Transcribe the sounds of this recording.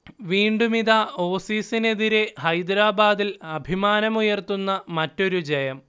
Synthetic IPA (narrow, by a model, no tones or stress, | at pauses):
ʋiːɳɖumiðao̞ːfiːsine̞ðiɾe̞hɐjd̪ɾaːbaːd̪ilɐbʱimaːnɐmujɐrt̪unːɐmɐtːo̞ɾud͡ʑɐjɐm